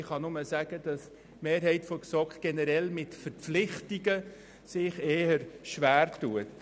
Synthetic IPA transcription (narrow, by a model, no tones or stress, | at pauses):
χɑnʊməsæɡ̥əd̥ɑs | meːɾɦɛɪtfɔksɔkɡ̥ɛnəɾɛlmɪtfəɾpp͡flɪχtiɡə | sɪχeːəɾʃʋæːrtuət